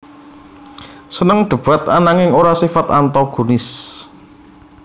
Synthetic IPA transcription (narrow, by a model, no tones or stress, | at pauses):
sənəŋɖ̪̥ə̤b̥at̪̚a̰naŋɪŋoɾasifat̪ant̪ɔɡ̥ṳnɪs